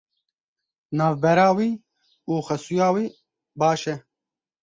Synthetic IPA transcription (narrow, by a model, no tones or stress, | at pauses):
naːvbɐɾaːwi | uːxɐsujaːwi | baːʃe